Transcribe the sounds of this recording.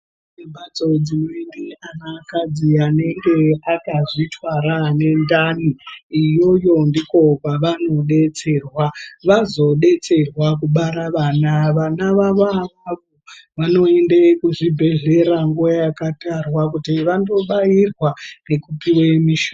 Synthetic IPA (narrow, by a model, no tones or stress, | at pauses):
ebʱat͡so̞d͡zimwendianakad͡ziane̞ŋɡe̞akaʐitʰwaɾane̞ndaniijo̞jo̞ndiko̞kaʋano̞ɗe̞t͡se̞rwaʋazo̞ɗe̞t͡se̞rwakuɓaɾaʋaːnaʋanaʋaʋoaʋaʋoʋano̞e̞ndekuʐibʱe̞ɮe̞ɾaŋɡujajakatarwakutiʋando̞ɓairwane̞kupiwemiʃo